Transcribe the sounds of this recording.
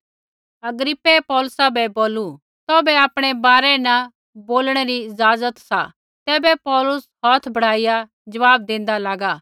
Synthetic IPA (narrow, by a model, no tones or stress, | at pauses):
ɐɡɾɪpːepɔːlʊsabɛboːlu | t̪ɔːbɛaːpɽ̃ebaːɾɛnɐ | boːlɽ̃eɾiɪzaːzət̪sa̰ | t̪ɛːbɛpɔːlʊshɔːt̪ʰbɐɽ̤aːɪja | d͡ʒɐʋaːbd̪ẽːn̆d̪alaːɡaː